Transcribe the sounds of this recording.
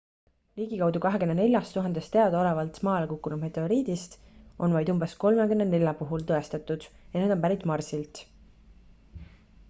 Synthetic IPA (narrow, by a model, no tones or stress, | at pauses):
liːɡ̥ikɑwd̪ukɑɦekynːene̞lʲjɑst̪uɦɑnd̪̥est̪e̞ɑd̪̥ɑo̞levɑlt̪mɑːlekukːunud̥̪met̪ːˑeo̞ɾiːd̪̥ist̪ʔo̞nvɑjd̪umbe̞sko̞lme̞kynːene̞lʲjɑpuɦult̪ɤe̞st̪ɑt̪ːˑud̪̥jɑned̪o̞mpæɾit̪ˑmɑrsilt̪